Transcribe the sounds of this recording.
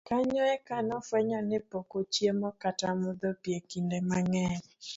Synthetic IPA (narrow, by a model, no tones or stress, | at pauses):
kaɲɔɛkanɔfwɛɲɔnɪpokot͡ʃjemɔkatamʊd̪opjekindemaŋɛl